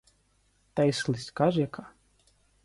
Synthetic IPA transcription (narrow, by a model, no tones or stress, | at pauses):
t̪ajslˠiskaʒiɛkʰa